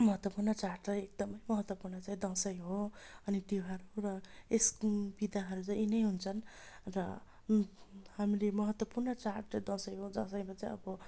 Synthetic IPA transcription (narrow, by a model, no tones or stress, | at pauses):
mʌɦʌt̪wʌpurnʌt͡saʈɾʌjek̚d̪ʌmʌjmʌɦʌt̪wʌpurnʌt͡saɦĩd̪ʌ̃sʌjɦoʌnid̪iɦʌɾuɾʌesbid̪aɦʌɾut͡sãinʌjɦunt͡sʰʌnrʌ̰ | hamlemʌɦʌt̪wʌpurnʌt͡saʈʌd̪ʌ̃sʌjɦod͡zʌsʌj̃bʌt͡saĩʌ̰bʌ